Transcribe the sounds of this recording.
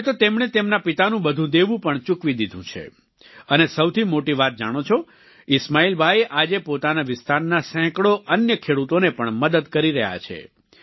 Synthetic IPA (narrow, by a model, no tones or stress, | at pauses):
t̪ot̪emɳet̪emnapit̪anũbəd̪ʱũd̪eʋũpəɳt͡ʃũkʋid̪id̪ʱṵ̃t͡ʃʰḛ | ənesəwt̪ʰimoʈiʋat̪̚d͡ʒa̰ɽ̃ot͡ʃʰo | ɪsmailbʱajeʔad͡ʒepot̪anaʋɪst̪ʰaɾnasɛ̃kɭoʔənjəkʰeɽut̪onepəɳməd̪əd̪kəɾiɾəɦja̰t͡ʃʰḛ